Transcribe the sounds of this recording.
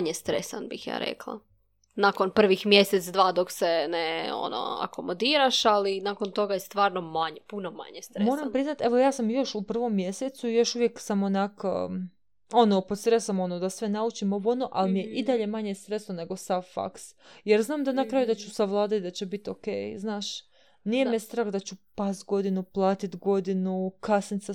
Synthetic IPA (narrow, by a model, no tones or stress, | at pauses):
ɲest̪ɾesanbixja̰ːɾḛklˠa̰ | nakonpr̩ʋixmjeset̪sd̪ʋaːd̪okseneo̰no̰a̰ko̞mod̪iːɾaʃalinaːkont̪o̞ɡajest̪ʋaːɾnomaɲpunoma̰ɲest̪ɾemoɾampɾiznat̪e̞ʋo̞jaːsamjo̞ʃupr̩ʋo̞mːje̞set̪suijo̞ʃuʋje̞ksamonak | o̞nopot̪sɾesamo̞nod̪asʋenaut͡ʃimoɡuonoʔalmijeʔid̪aʎe̞maɲe̞st̪ɾe̞snone̞ɡo̞saʋfa̰ks | jeɾznaːmd̪anakɾaːjud̪at͡ɕusaʋlˠaːd̪at̪̚d̪at͡ɕebit̪o̞kḛjznaːʃ | nijemest̪ɾaːxd̪at͡ɕupast̪ɡo̞d̪inuplˠaːt̪it̪ɡo̞d̪inukasnit̪sa